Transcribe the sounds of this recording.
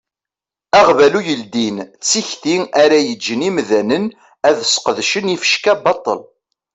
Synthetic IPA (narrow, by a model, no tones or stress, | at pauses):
æʁvælujəld̪int͡sːiçθiæɾæjəd͡ʒːənimðænən | æðsqəðʃənifə̥ʃkæbɑt̪ˤːə̰l